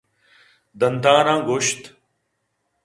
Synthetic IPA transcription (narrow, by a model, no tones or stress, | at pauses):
d̪ɐnd̪ʱãːɾãːɡoʃt̪